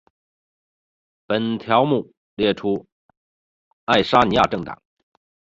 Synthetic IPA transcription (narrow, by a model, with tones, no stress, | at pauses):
pə˨˩nt̪ʰjɑ˧˥ʊmu˥˩ | ljɛ˥˩ʈ͡ʂʰu˥ | a˥˩ɪʂa˥ni˧˥ja˥˩ʈ͡ʂɤ˥˩ŋt̪ɑ̰˨˩˦ŋ